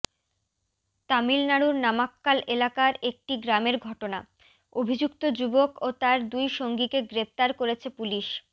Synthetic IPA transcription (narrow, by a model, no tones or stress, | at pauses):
t̪amilnaɽuɾnamakːalʔelakaɾek̚ʈiɡɾameɾɡʱɔʈona̰ | obʱid͡ʑuk̚t̪od͡ʑubokot̪aɾd̪ujʃoŋɡikeɡɾep̚t̪aɾkoɾet͡ɕʰepuliʃ